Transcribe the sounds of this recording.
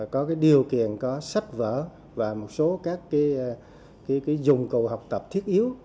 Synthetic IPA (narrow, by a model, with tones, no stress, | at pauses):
kɔ˨˦kaː˨˦jɗi˨˩əwkḭ˧˨ənkɔ˨˦sa˦˥jt̚və̰ː˧˨ | vaː˨˩mo˨˩t̚so˨˦kaː˦˥kːaː˨˦j | kaː˨˦kaː˨˦jzʊ˨˩ŋ͡mkṵ˨ɦa˨˩wk͡p̚t̪ə˨˩p̚t̪ʰi˦˥ət̚ʔi˨˦əw